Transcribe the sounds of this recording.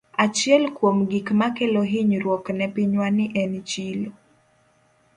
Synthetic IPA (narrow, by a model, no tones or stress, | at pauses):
at͡ʃjɛlkwomɡikmakeloɦiɲɾwɔknɛpiɲwaniʔɛnt͡ʃilo